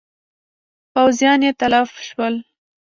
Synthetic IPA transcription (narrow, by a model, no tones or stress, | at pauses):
pawzijɑnjet̪alɑfʃwəl